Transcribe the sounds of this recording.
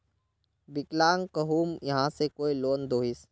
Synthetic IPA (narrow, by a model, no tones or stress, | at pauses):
bɪklaːŋkɐɦuːmjɐɦãsekoːiloːnd̪oːɦɪs